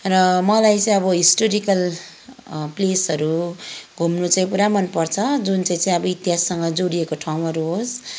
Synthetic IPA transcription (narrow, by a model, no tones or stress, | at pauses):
rʌmʌlajt͡saĩʌbʌɦisʈoɾikʌl | plesʌɾuɡʱomnut͡saj̃puɾamʌnpʌrt͡sʰʌd͡zunt͡saĩt͡saĩʌbʌit̪jɦasːʌŋɡʌd͡zoɽiekoʈʰawũmʌɾuɦos